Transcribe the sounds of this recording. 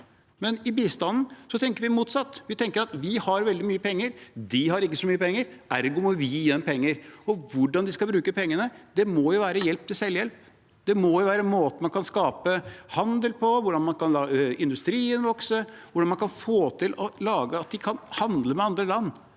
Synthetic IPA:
mɛnɪbiːst̪ɑnn̩sɔt̪ʰɛŋkəɾʋɪmuːt̪sɑt̪ːʋɪt̪ʰɛŋkəɾɑt̪ʋɪhɑɾʋɛld̪ɪmyːəpʰɛŋːəɾd̪ɪɦɑɾɪkːəsɔmyːəpɛŋːəɾæɾɡʊmɔʋɪːɛnːpʰɛŋːəɾɔʋʊɖɑnd̪ɪskɑbɾʉːkəpɛŋːənəd̪̥ɛmɔjʊʋæːɾəjɛlp̚t̪ʰɪlsɛljɛlp | d̪̥ɛmɔjʊʋæːɾənmoːt̪əmɑnkʰɑnskɑːpəhɑnd̪əlpʰɔʋʊɖɑnmɑnkɑnlɑːɪnd̪ʉst̪ɾiːənʋɔksəʋʊɖɑnmɑnkʰɑnfoːt̪ʰɪlɔlɑːɡəɑt̪̚d̪ɪkʰɑnhɑnd̪ləmɛɑnd̪ɾəlɑnː

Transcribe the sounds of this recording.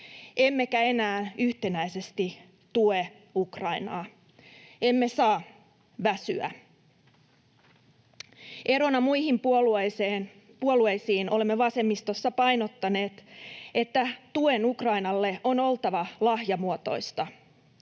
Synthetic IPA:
ʔe̞mːekæe̞næːyht̪e̞næise̞st̪i | t̪ue | ukrɑinɑː | e̞mːe̞sɑː | ʋæsyæ̰ | ʔe̞ɾo̞nɑmuihimpuolueseːn | puoluejsiːnolemːeʋɑse̞mːist̪o̞sːɑpɑjnot̪ːɑne̞ːt̪e̞t̪ːæt̪ue̞nukrɑinɑlːe̞ʔo̞no̞lt̪ɑʋɑlɑhjɑmuot̪o̞̰ist̪ɑ

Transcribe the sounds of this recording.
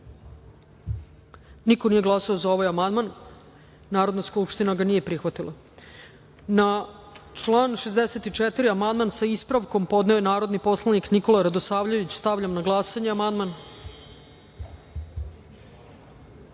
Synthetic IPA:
niko̞nijeɡlˠasaozao̞ʋajamand̪manː | aːɾod̪naskupʂt̪inaɡanije̞pɾixʋat̪ilˠʔa | na | t͡ʂlˠaːnʂezd̪eset̪it͡ʂet̪iɾiamand̪mansaispɾaʋko̞mpo̞d̪neo̞jenaːɾo̞d̪nipo̞slˠanikniko̞laɾad̪osaːʋʎaʋit͡ɕst̪aʋʎamnaɡlˠaːsaɲeamand̪man

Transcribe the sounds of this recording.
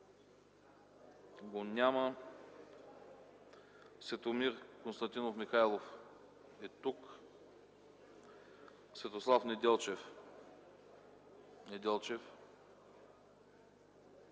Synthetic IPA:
ɡonʲamə | svɛt̪omiɾkonst̪ɐnt̪inofmixajlˠof | ɛt̪uk | svɛt̪oslˠafnɛd̪ɛlˠt͡ʃɛf | nɛd̪ɛlˠt͡ʃɛf

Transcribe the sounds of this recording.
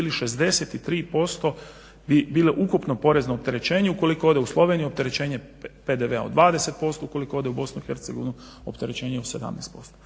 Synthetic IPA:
iliʃe̞zd̪e̞set̪it̪ɾiːpo̞st̪o̞ | bibiːleʔukupnopo̞ɾe̞znoop̚t̪e̞ɾe̞t͡ɕe̞ːɲeuko̞likood̪euslˠo̞ʋenijuo̞p̚t̪e̞ɾet͡ɕeːɲe̞ | pe̞d̪eʋeaod̪ʋaːd̪eset̪̚po̞st̪ouko̞likooːd̪eubo̞snuixe̞ɾt̪seɡoʋinu | o̰pt̪e̞ɾet͡ɕe̞ːɲeose̞d̪a̰mnɛ̰ːst̪po̞st̪o

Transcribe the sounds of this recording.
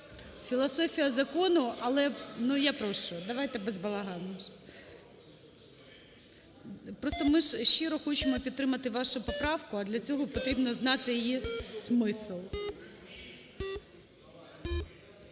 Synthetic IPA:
fʲilˠɐsɔfʲijɐzɐkɔnʊɐlˠɛnujapɾɔʃt͡ʃɔd̪ɐʋajt̪ɛbezbɐlˠɐɦɑnnɐ | pɾɔst̪ɔmɪʒʃt͡ʃɪɾɔxɔt͡ʃɪmɔpʲid̪t̪ːɾɪmɐt̪ɪʋɑʃʊpɔpɾɑwkʊɐd̪lʲɐt͡sʲɔɦɔpɔt̪ɾʲibnɔznɑt̪ɪjjismɪslˠ

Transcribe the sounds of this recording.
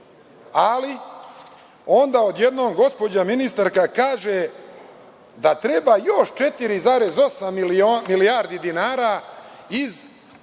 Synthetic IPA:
ali | o̞nd̪aːod̪je̞d̪noːmɡo̞spo̞d͡ʑaminist̪aɾkakaːʒe | d̪at̪ɾebaːjo̞ʃt͡ʃe̞t̪iɾizaːɾezo̞samioːilijaːɾd̪id̪inaːɾaiz

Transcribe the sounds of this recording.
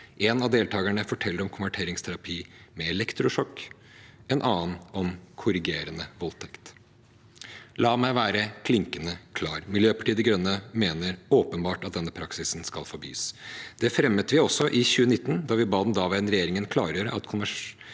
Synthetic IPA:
ʔɛnɑd̪eːlt̪ʰɑːɡəɳəfɔʈʰɛlːəɾɔmkʰʊnʋæʈʰeːɾɪŋst̪ʰæɾɑpʰiːmɛɛlɛkt̪ɾʊʂɔkː | ɛnʔɑːnɔmkʰʊɾɪɡeːɾənəʋɔlt̪ʰɛkt̪ | lɑːmæɪʋæːɾəkʰlɪŋkənəkʰlɑːɾmɪljøːpɑ̥ʈiːd̪ɛɡɾœnːəmeːnəɾoːpənbɑːʈɑt̪̚d̪ɛnːəpʰɾɑksɪsn̩skɑlfɔɾbḭːsd̪̥ɛfɾɛmːət̪ʋɪɔsːɔʔɪçʉːənɪt̪ːn̩d̪ɑʋɪbɑːd̪nd̪ɑːʋæɪənɾɛjeːɾɪŋənkʰlɑːɾəɾəʔɑ̰t̪kʰʊnʋæ

